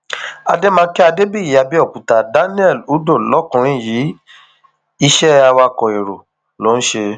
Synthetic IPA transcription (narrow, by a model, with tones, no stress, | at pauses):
a̰˧de˦mãː˧˦kɛ˦a˧de˦bi˦i˨ja˧bi˦ɔ˦˨kũ˨ta˨da˦nĩ˦ɛ˦˨lu˨˦do˦˨lɔ˨˦kũ˧ɾ̃ĩ˦˨jiː˨˦ | i˧ʃɛ˦a˧wa˧kɔ˨e˨ɾo˨ | lo˨˦ñ̩˦ʃe˧